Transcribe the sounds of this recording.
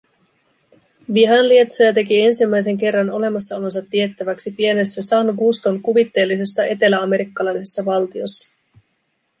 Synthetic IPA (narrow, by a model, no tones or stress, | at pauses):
ʋiɦɑnlie̞t̪so̞jɑt̪e̞kie̞nsimːæjs̬e̞ŋke̞rːɑno̞le̞mɑsːɑolo̞nsɑt̪ːie̞t̪ːæʋæksipie̞ne̞sːæsɑnɡust̪o̞ŋkuʋit̪ːe̞ːlːise̞sːɑʔe̞t̪e̞læɑme̞ɾikːɑlɑjsesːɑʋɑlt̪io̞sːɑ̥